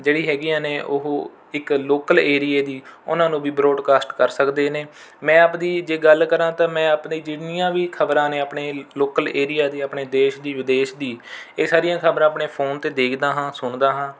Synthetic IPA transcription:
d͡ʒeːɽiːɦɛːɡijãːneːʔʊɦ | ɪkloːkəleːɾijeːd̪iːʊ̰nãːnũːʋiːbɾoːɖkaːsʈkəɾsəkd̪eːneː | mɛ̃ːaːpd̪iːd͡ʒeːɡəlkəɾãːt̪ãːmɛ̃ːapniːd͡ʒɪɽnɪjãːʋiːkʰəbɾãːneːəpɳeːloːkəleːɾijaːd̪iːəpɳeːd̪eːʃd̪iːʋɪd̪eːʃd̪iːeːsaːɾɪjãːkʰəbɾãːəpɳeːpʰoːnt̪eːd̪eːkʰd̪aːɦãːsʊɳd̪aːɦãː

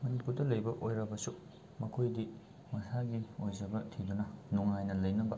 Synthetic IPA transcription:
mɐnipuɾdɐlɐjbɐʔojɾɐbɐsu | mɐkʰojdi | mɐsaɡiojzɐbɐtʰidunɐnuŋajnɐlɐjnɐbɐ

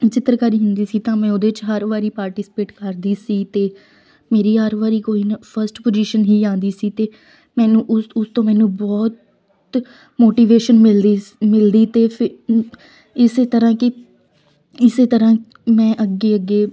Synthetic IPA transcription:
t͡ʃɪt̪ːəɾkaɾiːɦʊnd̪iːsiːt̪ãːmɛ̃ːod̪eːt͡ʃɦəɾʋaːɾiːpaːɾʈɪsɪ̥peːʈkəɾd̪iːsiːt̪eː | meːɾiːɦəɾʋaːɾiːkoːiːnpʰəɾsʈpod͡ʒiːʃənɦiːd͡ʒãːnd̪iːsiːt̪eː | mɛ̃ːnũːʔʊsʊst̪õːmɛ̃ːnũːbɔːt̪ | moːʈiːʋeːʃənmɪld̪mɪld̪iːt̪eːpʰɪ | ɪseːt̪əɾãːkɪ | ɪseːt̪əɾãː | mɛ̃ːʔəɡːeːəɡːeː

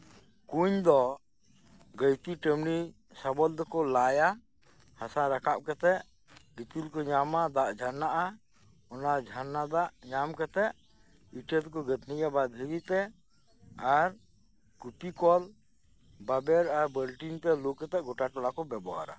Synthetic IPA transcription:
kuɲd̪ɔ | ɡəjt̪iʈəmni | sabɔld̪ɔkɔlaja | hasaɾakʰap̚kɛt̪ɛʔ | ɡit̪ilkɔɲamad̪aʔd͡ʒʱanːaʔa | ɔnad͡ʒʱanːad̪aʔɲamkɛt̪ɛʔ | iʈɛt̪kɔɡət̪ʰnijabad̪ʱɦiɾit̪ɛ | aɾ | kupikɔl | babɛɾaɾbəlʈint̪ɛlukːɛt̪ɛʔɡɔʈaʈɔlakɔbɛbɔwa̰ɾa̰

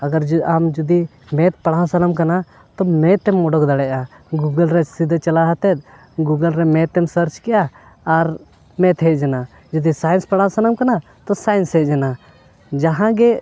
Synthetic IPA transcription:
ɐɡəɾd͡ʒamd͡ʒud̪i | mɛt̪̚pɐɽãsɐnəmkana | t̪ɔmɛt̪ːɛmɔɖɔkd̪aɽɛʔa | ɡuɡəlɾɛsid̪ʱt͡ʃɐlaɦat̪ɛt̪̚ | ɡuɡəlɾɛmɛt̪ːɛmsəɾt͡ʃkɛjaː | ɾ | mɛ̃t̪ɦɛd͡ʒɛna | d͡ʒɔd̪isajinspɐɽãsɐnəmkɐna | t̪ɔsajnsɦɛd͡ʒɛna | d͡ʒaɦãɡɛ

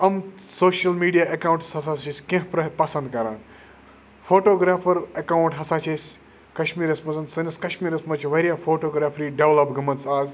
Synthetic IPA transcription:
ɐmsoːʃɐlmiːɖijaːʔɐkawũɳʈshɐsaːsʰisʲkẽɦpɾɐpɐsɐnd̪kɐɾãːn | fʰoːʈoːɡɾaːfʰɐɾɐkawɳʈɦɐsaːt͡ʃʰesʲ | kɐʃmiːɾɐsmɐzɐnsɐnɐskɐʃmiːɾɐsmɐt͡ʃʰiʋɐɾʲijaːfʰoːʈoːɡɾaːfʰɾiːɖeʋlɐpɡɐmɐnsaːz

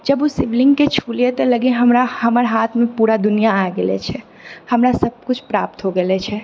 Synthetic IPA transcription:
d͡ʒəbusɪʋlɪŋɡket͡ʃʰulet̪ɔləɡiɦəmɾahəməɾɦat̪ʰmẽpuɾad̪ʊnijaaɡelɛ̰t͡ʃʰɛ | həmɾasəb̚kʊt͡ʃʰpɾa̰p̚t̪ɦoɡelɛt͡ʃʰɛ

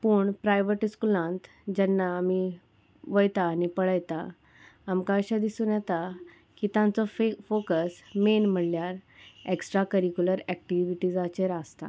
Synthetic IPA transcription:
puːɳpɾajʋəʈiskulãnt̪ | d͡ʑɛnːaːmi | ʋəjt̪aːnipəɽəjt̪a | amkaɕad̪isũːnjɛt̪a | kit̪jãnt͡sɔfokəsmenm̤əɽljaɾeksʈɾakəɾikuləɾɛk̚ʈiʋiʈiːd͡zat͡ɕeɾast̪a̰

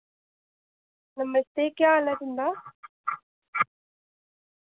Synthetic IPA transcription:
nɐmːɐst̪eːkɪaːlɐɾind̪aː

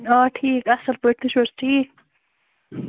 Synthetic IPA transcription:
oːʈʰiːkɐsəlpoʈ̚t̪ʰũʃoɾsʈʰiːk̚

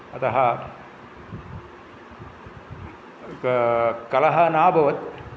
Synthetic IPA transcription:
ɐt̪ɐɦɐ | kɐlɐɦɐnaːbʱɐʋɐt̪̚

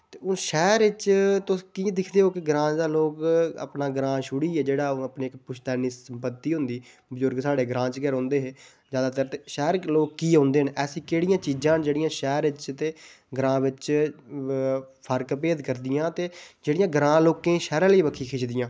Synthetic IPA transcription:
t̪eːʊnʃɛːɾɪt͡ʃt̪ʊskiːd̪ɪkʰd̪eːɦoːkɪɡɾãːt͡ʃd̪aːloːkə̰pnaːɡɾãːʃʊɽiːɛːd͡ʒeːɽaːoəpneːɪkpʊʃʰt̪ɛːniːsəmpət̪ːiːɦʊ̃nd̪iː | bbəzʊɾɡsaːɽeːɡɾãːt͡ʃɡɛɾɦõːnd̪eːɦeː | zjaːd̪aːt̪əɾt̪eʃɛːɾloːkkiːɦõːnd̪eːɦənɛːsĩːkeːɽɪjãːt͡ʃiːd͡ʒãːnd͡ʒeːɽɪjãːʃɛːɾɪt͡ʃt̪eː | ɡɾãːʋɪt͡ʃ | pʰəɾkpeːd̪kəɾd̪ɪjãːt̪eːd͡ʒeːɽɪjãːɡɾãːloːkẽːʃɛːɾãːləiːʋəkʰiːkʰɪːt͡ʃd̪ɪjãː

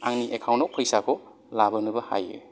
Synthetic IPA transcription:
aŋniʔekʰawnok̚pʰəjsakʰɔ | labɐnɯbɐha̰jḭ

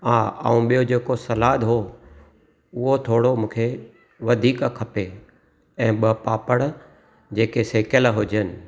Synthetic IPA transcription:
aːa̰ːũɓijod͡ʑeːkosɐlaːd̪ɦo | ʊɦot̪ʰoːɽomũːkʰe | ʋɐd̪ʱiːkkʰɐpe | ɛ̃ːɓɐpaːpəɽ̃ | d͡ʑeːkeseːkəlɦʊd͡ʑənɪ̆

